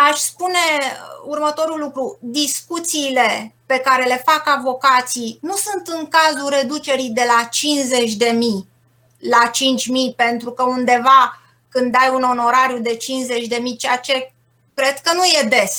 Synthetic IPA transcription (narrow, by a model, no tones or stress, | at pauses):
aʃʲspune̞urmət̪o̞ɾulukɾud̪iskut̪siːle̞pe̞kaɾe̞le̞fakavo̞kat̪sijnusunt̪ɨŋkazuɾe̞d̪ut͡ʃe̞ɾid̪e̞lat͡ʃinze̞t͡ʃʲd̪e̞mij | lat͡ʃint͡ʃʲmijpe̞nt̪ɾukəund̪e̞va | kɨnd̪ajuno̞no̞ɾaɾjud̪e̞t͡ʃinze̞t͡ʃʲd̪e̞mijt͡ʃeat͡ʃe̞ | kɾe̞d̪kənuje̞d̪e̞s